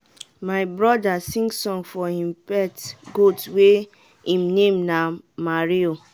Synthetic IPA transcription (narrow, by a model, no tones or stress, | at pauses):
maɪbɹɔdasĩŋɡsɔ̃ŋfɔhĩmpɛtɡotwe | ĩmnẽmna | maɹio